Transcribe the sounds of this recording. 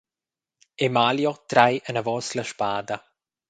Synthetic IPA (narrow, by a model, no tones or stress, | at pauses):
emaːljot̪ɾajʔənəvɔsləʃpaːd̪ɐ